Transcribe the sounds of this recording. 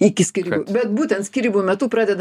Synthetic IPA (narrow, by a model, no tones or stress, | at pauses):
ɪkʲɪsʲkʲiɾʲiːbuːbʲɛt̪buːt̪ʲɛnt̪sʲkʲiɾʲiːbuːmʲɛt̪uːpɾɑːd̪ʲɛd̪